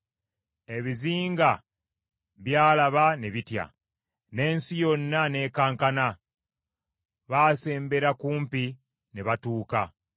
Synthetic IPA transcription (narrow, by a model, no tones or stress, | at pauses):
e̞βiziːŋɡa | βjaːlaβane̞βitja̰ | ne̞ːnsijo̞nːane̞ːkaːŋkana | βaːse̞ːmbe̞ɾakuːmpi | neβatuːka